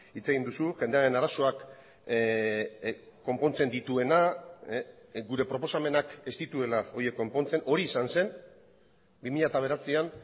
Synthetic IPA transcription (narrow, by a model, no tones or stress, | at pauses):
it͡se̞ɣind̪usuʝe̞nd̪e̞aɾe̞naɾaso̞ak | o̞mpo̞nt͡se̞nd̪it̪ue̞na | ɡuɾe̞pɾo̞po̞same̞nake̞st̪it̪ue̞lao̞je̞kːo̞mpo̞nt͡se̞no̞ɾiːsanse̞n | bimiʎat̪aβ̞e̞ɾat͡sian